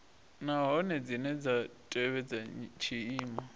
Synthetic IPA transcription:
naɦɔnɛd͡zinɛd͡zatʼɛβɛd͡zat͡ʃʰiiːma

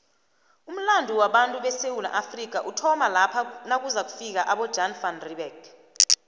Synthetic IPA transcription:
um̩landʱuwaɓantʼuɓɛsewula̰ʔafrik̬aʔutʰɔmalapʰanak̬uzak̬ufik̬aʔaɓɔ̥d͡ʒanfanriɓɛɡ

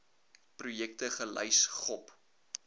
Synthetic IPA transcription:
prujɛk̚təχələ̰jsχɔp

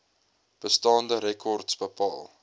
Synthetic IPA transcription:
b̥əstɑːndəɾɛkʰɔrtsbəpɑːlˠ

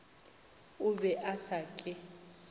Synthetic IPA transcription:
ʊbɛʔasakʼɪ

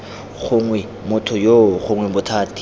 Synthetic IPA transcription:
χʊŋwɛ | mʊtʰʊjoχʊŋwɛbʊtʰaːtʰi̥

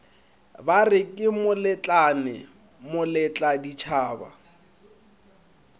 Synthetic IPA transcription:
barɪkʼɪmʊlɛt͡ɬʼanɛ | mʊlɛt͡ɬʼadit͡ʃʰaːba̰

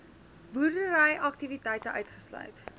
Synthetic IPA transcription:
burdəɾəjʔɐk̚tivitɛjtəʔœɥtχəslœ̰ɥt

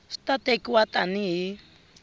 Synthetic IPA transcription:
st̪at̪ekiwat̪aniɦi

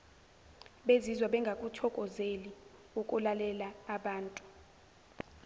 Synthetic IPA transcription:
ɓezizwaɓɛŋɡʱakʼutʰɔkʼɔzeli | okʼulalɛlaːɓaːntʼu̥

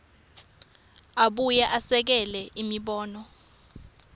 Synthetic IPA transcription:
aɓujɛʔasɛk̬ɛlɛʔimiɓɔːnɔ

